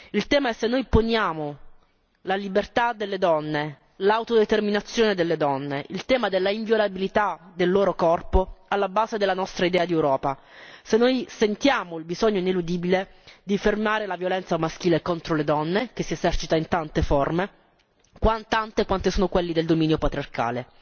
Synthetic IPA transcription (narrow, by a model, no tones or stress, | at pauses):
ilt̪ɛːmaɛsːenːojponjaːmo | lalibert̪ad̪elːed̪ɔnːe | lawt̪od̪et̪erminat̪sːjoːned̪elːed̪ɔnːeʔilt̪ɛːmad̪elːaiɱvjolabilit̪ad̪elːoːɾokɔrpoalːabaːzed̪elːanɔst̪ɾaid̪ɛːad̪iewɾɔːpa | senːojsent̪jaːmoilbizɔɲːoinelud̪iːbiled̪ifermaːɾelavjolɛnt̪samask̟iːlekont̪ɾoled̪ɔnːek̟esːiezɛrt͡ʃit̪aint̪ant̪efɔrme | kwant̪ant̪ekwant̪esuːnokwelːid̪eld̪omiːnjopat̪ɾiarka̰ːle